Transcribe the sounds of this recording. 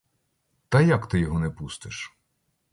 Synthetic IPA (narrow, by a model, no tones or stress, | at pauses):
t̪ɐjakt̪ɪjɔɦɔnɛpust̪ɪʃ